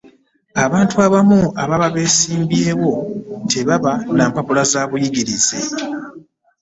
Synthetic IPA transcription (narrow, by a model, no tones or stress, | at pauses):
aβaːntuaβamuaβaβaβe̞ːsiːmbje̞ːwo̞tʰe̞βaβanaːmpapulazaːβujiɟiɾizḛ